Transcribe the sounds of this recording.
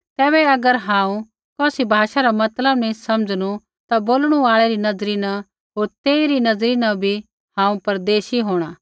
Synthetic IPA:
t̪ɛːbɛɐɡəɾɦãːũ | kɔːsibʱaːʃaɾamɐt̪ləbnĩsɐmd͡zñu | t̪aboːlɽ̃uaːɭɛɾinɐzɾina | ɦoːɾt̪eːiɾinɐzɾinɐbʱi | hãːũpɐɾd̪eːʃiɦoːɽ̃aː

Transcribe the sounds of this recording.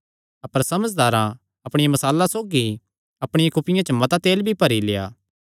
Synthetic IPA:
ɐpəɾsɐməd͡ʒd̪aːɾã | ɐpɽ̃ɪjãmɐsaːlːasoːɡi | ɐpɽ̃ɪjãkʊpɪjãt͡ʃəmɐt̪at̪eːlbʱipɐɾileja̰ː

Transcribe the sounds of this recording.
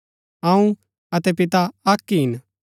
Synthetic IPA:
ãːũ | ɐt̪ɛpɪt̪aɐkːiɦɪn

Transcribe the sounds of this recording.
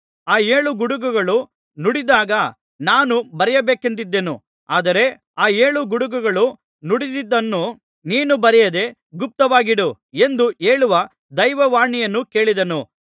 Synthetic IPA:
aːe̞ːɭuɡuɽuɡuɡɐɭu | nuɽid̪aːɡɐ | naːnubɐɾɛjɐbeːkɐnt̪̬id̪ːe̞nṵ | aːd̪ɐɾe̞ | aːe̞ːɭuɡuɽuɡuɡɐɭu | nuɽid̪id̪ːɐnːu | niːnubɐɾɛjɐd̪e̞ | ɡup̚t̪ɐʋaːɡiɽu | e̞nd̪ue̞ːɭuʋɐ | d̪ɐjʋɐʋaːɳijɐnːuke̞ːɭid̪ɐnu

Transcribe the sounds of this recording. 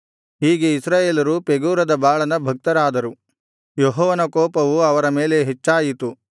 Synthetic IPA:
hiːɡeisɾaːjeːlɐɾupeɡuːɾɐd̪ɐbaːɭɐnɐbʱɐk̚t̪ɐɾaːd̪ɐɾu | joɦɔːʋɐnɐkɔːpɐʋuɐʋɐɾɐme̞ːle̞ɦet͡ʃːaːjit̪u

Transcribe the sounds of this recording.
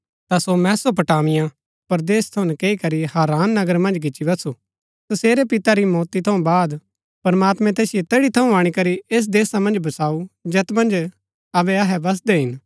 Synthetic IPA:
t̪asomɛ̃ːsop̬ɐʈaːmɪjã | pɐɾd̪eːst̪ʰɐʊ̃nɛkeːikɐɾiɦaːɾaːnːɐɡəɾmɐ̃nd͡ʒkɪt͡ʃːibɐt̪su | sɐseːɾepɪt̪aɾimɔːt̪it̪ʰɐũbaːd̪ | pɐɾmaːt̪mɛ̃t̪̬eːsɪjet̪eːɽit̪ʰɐũaːɽ̃ikɐɾieːs̬d̪eːsamɐ̃nd͡ʒbɐsaːud͡ʒeːt̪mɐ̃nd͡ʒ | ɐbɛɐɦɛbɐs̬d̪ɛɦɪn

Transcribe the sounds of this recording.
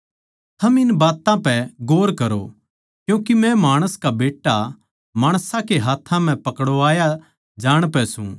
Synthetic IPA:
t̪ʰɐmɪnbaːt̪ãpɛɡoːɾkɐɾo̰ | kjũːkimɛ̃maːɽ̃əskabeːʈːa | maːɽ̃sãkeɦaːt̪ʰːãm̤ɛ̃pɐkɽoaːja | d͡ʒaːɽ̃pɛsṵ̃

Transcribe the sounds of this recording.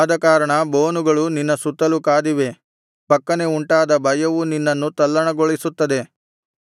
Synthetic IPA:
d̪ɐkaːɾɐɳɐboːnuɡɐɭuninːɐsut̪ːɐlukaːd̪iʋe̞ | pɐkːɐne̞uɳʈaːd̪ɐbɐjɐʋuninːɐnːut̪ɐlːɐɳɐɡoɭisut̪ːɐd̪e̞

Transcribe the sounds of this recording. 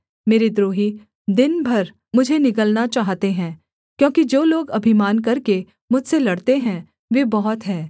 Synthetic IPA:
meːɾid̪ɾoːɦi | d̪ɪnbʱɐɾ | mʊd͡ʒʱenɪkəlnat͡ʃaːɦt̪eɦɛ̃ː | kjõːkid͡ʒoːloːɡɐbʱimaːnk̬ɐɾke | mʊd͡ʒʱselɐɽt̪eɦɛ̃ | ʋeːbɔɦɔt̪ɦɛː

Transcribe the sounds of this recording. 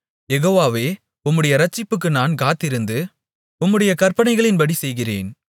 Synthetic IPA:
jɛɣoːʋaːʋeː | ʊmːɯɽɐjɐɾɐt͡ʃːɪpːɯk̬ːɯnaːnkaːt̪ːɪɾɯnd̪ɯ | ʊmːɯɽɐjɐkɐɾpɐɳɐɪɣɐɭɪnbɐɽisɛjɣɪrḛːn

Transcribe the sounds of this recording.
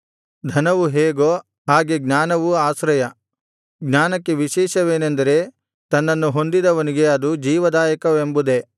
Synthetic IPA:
d̪ʱɐnɐʋuɦeːɡoː | haːɡeɡnaːnɐʋuaːsɾɐjɐ | ɡnaːnɐkːeʋiʃɛːʃɐʋeːnend̪ɐɾe̞ | t̪ɐnːɐnːuɦo̞nd̪id̪ɐʋɐniɡe̞ɐd̪ud͡ʒiːʋɐd̪aːjɐkɐʋembud̪e̞

